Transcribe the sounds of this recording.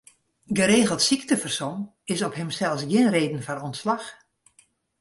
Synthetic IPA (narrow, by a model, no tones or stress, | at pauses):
ɡəɾeːɣəlˠtsiktəfərson | ɪsɔpɦɛmsɛlˠsjɪnreːdən̩fɔnɔntslax